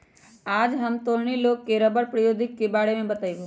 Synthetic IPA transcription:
aːd͡ʒɦəmt̪oɾɳ̃iloːkːeɾəbəɾpɾəjoːd̪ʱɪkːebaːɽemẽbət̪aibo

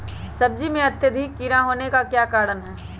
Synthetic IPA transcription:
sɐb̚d͡ʒimẽɐt̪jəd̪ʱikːiːɾãɦoːnekakjaːkaːɽənɦɛː

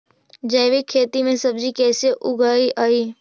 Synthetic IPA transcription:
d͡ʒəɪʋɪkʰːeːt̪imẽsɐb̚d͡ʒikɛːseʔʊɡaːiʔaːiː

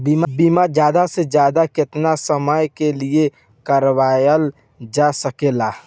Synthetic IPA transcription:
biːmabiːmad͡ʒjaːd̪ased͡ʒjaːd̪akɪt̪nasəməjkelie | kəɾwaːjəl | d͡ʒasəkelaː

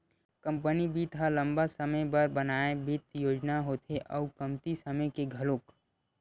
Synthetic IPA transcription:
kə̃mpənibʱit̪ʰɦalɐ̃mbasɐməjbɐɾbɐnaːebʱɪt̪joːd͡ʒnaɦoːt̪ʰeʔɔːkɐmt̪isɐməkeɡʱɐloːk

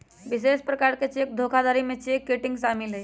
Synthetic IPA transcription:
ʋis̬eʂpɾəkaɾket͡ɕiek̚d̪ʱokʰad̪aɾimet͡ɕiekːeʈiŋɡsamile

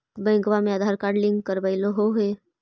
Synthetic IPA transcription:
bə̃ŋɡʋamẽad̪ʱaɾkaːɾɖlĩŋɡkəɾbaɪloɦoɦe

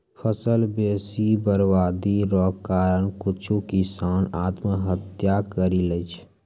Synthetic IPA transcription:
fʰəsəlbeːsibəɾwaːd̪iɾɔːkaːɾənkʊt͡ʃʰukɪsaːnaːt̪məɦət̪jakəɾilət͡ʃʰ

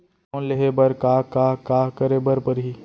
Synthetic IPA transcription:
leɦebəɾkaːkaɦkaːkəɾebəɾpəɾɦi

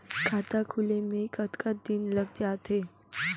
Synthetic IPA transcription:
kʰat̪akʰulemẽkət̪kət̪̚d̪inləɡ̚d͡ʒaːt̪e

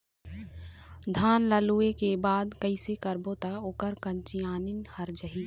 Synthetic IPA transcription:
d̪ʱaːnləluekebaːd̪kəɪsekəɾbot̪aoːkəɾkənt͡ʃijaːnɪnhəɾd͡ʒəɦiː

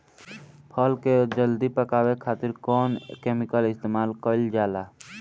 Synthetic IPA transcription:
pʰəːlked͡ʒəld̪ipəkaːwekʰaːt̪ɪɾkɔːnkeːmɪkəlɪst̪eːmaːlkəld͡ʒaːlaː

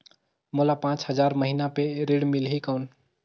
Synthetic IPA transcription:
molapãt͡ʃɦəd͡ʒaɾməɦinapeɾeɽmilɦikəwn

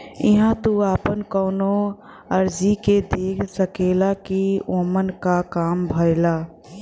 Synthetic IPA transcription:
ɪ̰ɦãt̪uaːpənkɔːno | əɾd͡ʒiked̪eːkʰsəkeːlakioːmənkakaːmbʱəɪlaː

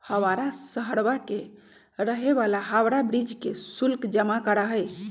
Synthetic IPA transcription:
həmaɾasəɦəɽbake | ɾəɦebalaɦawɾabɾid͡ʒkesulkd͡ʒəmakəɾaɦəj

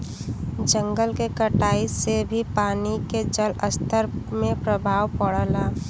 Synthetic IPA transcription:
d͡ʒəŋɡəlkekəʈaːisebʱipaːniked͡ʒələst̪ʰəɾmẽpɾəbʱaːwpəɽəla

